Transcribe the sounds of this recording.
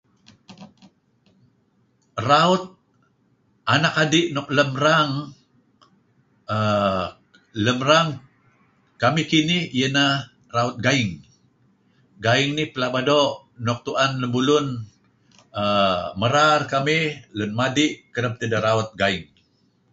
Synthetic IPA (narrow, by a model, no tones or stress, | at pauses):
raut̪̚ | anakadiʔnɔk̚ləmraŋ | ə | ləmraŋ | kamihkinɪhijənah | raut̪̚ɡaɪŋ | ɡaɪŋnihpəlabadoʔ | nɔk̚t̪uʔanləmbulun | əməɾarkamihlənmadɪʔkəɾəp̚t̪ədəɾaut̪̚ɡaɪŋ